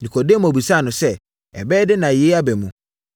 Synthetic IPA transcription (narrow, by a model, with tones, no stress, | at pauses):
nĩ˨kʰɔ˨de˦mũ˨a˨bi˨sa˦˨nʊ̃˨sɛ˦ | ɛ̰˨bɛː˦dɪ˦nã˨je˦a˦bɛ˨mũ˨